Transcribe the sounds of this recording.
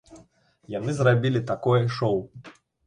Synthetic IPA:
janɨzrabʲilʲit̪akɔjɛʂɔw

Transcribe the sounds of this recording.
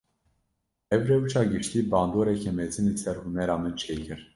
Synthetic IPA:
ɛvɾɛut͡ʃʰɑɡəʃt̪ibɑnd̪ɔɾɛkʰɛmɛt͡sinit͡sʰɛɾhunɛɾɑmɛnt͡ʃʰɛjkʰəɾ

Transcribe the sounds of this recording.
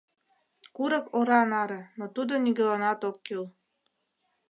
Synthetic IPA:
kuɾɤ̆koɾɑnɑɾĕnot̪ud̪onʲiɡɘ̆lɑnɑt̪okːil

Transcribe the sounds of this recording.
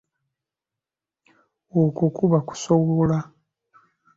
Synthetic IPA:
okokuβaku̥soβola

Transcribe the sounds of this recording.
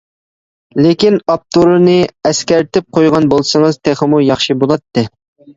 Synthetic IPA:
lekʲinɑp̚t̪ʰuɾɨnɨɛskʲæɾt̪ʰɪp̚qʰojʁɑnbolˠsɨŋəzt̪ʰeχɪmujɑχʃibolˠɑt̪ːɨ

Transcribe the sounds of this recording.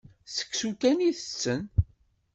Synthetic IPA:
sə̥kːsukæniθə̥t͡sːən

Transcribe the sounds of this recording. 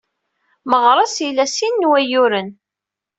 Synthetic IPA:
məʁɾˤɑsilæsinːwæjʊɾən

